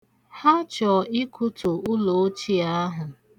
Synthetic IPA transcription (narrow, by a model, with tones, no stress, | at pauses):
ha˦t͡ʃɔ˨ɪ˦kʰʊ˦tʊ˨ʊ˦lo˨˦t͡ʃi˦a˦ɦʊ˨